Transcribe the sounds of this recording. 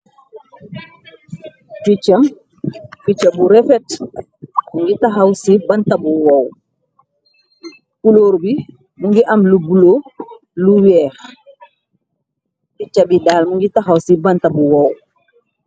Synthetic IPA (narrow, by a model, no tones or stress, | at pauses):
fit͡ʃːam | fit͡ʃːabuɾɛfɛt | muŋɡitaɦawsibantabuwɔw | kuloɾbi | muŋɡiʔamlubulo | luwɛːɾ | fit͡ʃːabidaːlmuŋɡitaɦawsibantabuwɔw